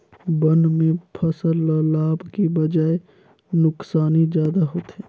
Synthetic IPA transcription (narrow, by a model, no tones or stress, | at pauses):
bənmẽpʰəsəlːəlaːbkebəd͡ʒaːe | nʊksaːnizjaːd̪aɦoːt̪ɦɛː